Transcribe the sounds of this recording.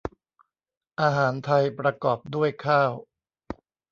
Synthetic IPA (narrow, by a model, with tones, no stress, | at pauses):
ʔaː˧ɦaː˩˦nt̪ʰa˧jpɾa˧kɔː˨˩p̚du˥˩əjkʰaː˥˩w